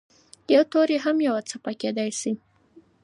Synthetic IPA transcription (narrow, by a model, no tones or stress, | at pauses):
jawt̪oɾeɦamjawat͡sapaked̪ajsi